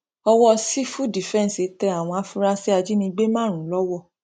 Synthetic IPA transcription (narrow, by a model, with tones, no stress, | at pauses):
ɔ˧wɔ˦si˦fu˦di˨fɛ̃˦n˨si˨˦tɛ˧a˨w̃ɔ̃˧a˦fu˦ɾa˦si˦a˧d͡ʒi˦nĩ˧ɡ͡be˦mãː˦˨ɾ̃ũ˨˦lɔ˦wɔ˦˨